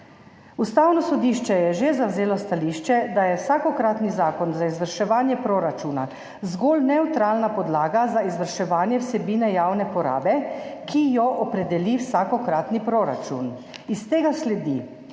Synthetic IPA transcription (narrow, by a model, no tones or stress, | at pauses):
ust̪aːwnɔsɔd̪iʃt͡ʃɛjɛʒezawzeːlɔst̪aliʃt͡ʃɛd̪ajɛwsaːkɔkɾaːt̪nizaːkɔnzaizʋəɾʃɛʋaːnjɛpɾoːɾat͡ʃuna̰ | zɡoːlnɛwt̪ɾaːlnapɔd̪laːɡazaizʋəɾʃɛʋaːnjɛwsɛbiːnɛjaːwnɛpɔɾa̰ːbɛkʰijɔʔɔpɾɛd̪ɛliwsaːkɔkɾaːt̪nipɾoɾa̰t͡ʃṵnist̪eːɡaslɛd̪ḭ